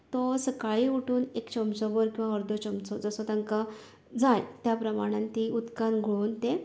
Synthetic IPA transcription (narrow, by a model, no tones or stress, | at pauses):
t̪ɔsəkaɭiuʈuːnekt͡ɕəmt͡sɔbəɾkĩw̃ʋaɔɾd̪ʱɔt͡ɕɔmt͡sɔd͡zəsɔt̪ãŋka | d͡zajt̪japɾəmaɽ̃ãnt̪iud̪kanɡʱɭont̪e